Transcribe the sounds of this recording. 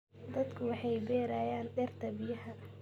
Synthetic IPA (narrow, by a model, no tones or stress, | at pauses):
d̪ɐd̪kʰʊwɑħɑjbɛːɾaːjaːnɖɛrt̪ʰɐbɪjɐhɐ